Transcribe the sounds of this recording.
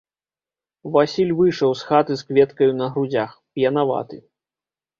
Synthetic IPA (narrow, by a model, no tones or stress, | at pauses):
vasʲilʲvɨʂɐwsxat̪ɨskvʲɛt̪kɐjunɐɦɾud͡zʲaxpjɐnava̰t̪ɨ